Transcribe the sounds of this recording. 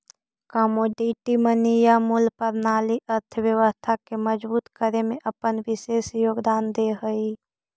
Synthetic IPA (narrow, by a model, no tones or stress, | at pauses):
kɔmoːɖiʈimənijamulpəɾnaːliʔəɾt̪ʰəwjəʋəst̪ʰakeməd͡ʒbuːt̪kəɾemẽʔəpənʋɪʃeːsjoːɡd̪aːnd̪eɦəi